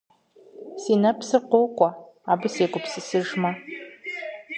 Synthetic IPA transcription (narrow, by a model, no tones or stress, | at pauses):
sinapʰsɨrqʷowkʷʼa | abɨsekʷʼʊpʰsɨsɨʐma